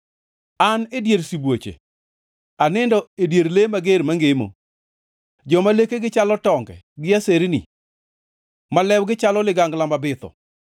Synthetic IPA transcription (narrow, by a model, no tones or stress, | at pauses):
anedjeɾsibwot͡ʃḛ | anɪndɔedjeɾlemaɡeɾmaŋɡemo̰ | d͡ʒɔmalekeɡɪt͡ʃalɔtɔŋɡɛ̰ | ɡɪaseɾnḭ | malɛwɡɪt͡ʃalɔlɪɡaŋɡlamabɪt̪ɔ̰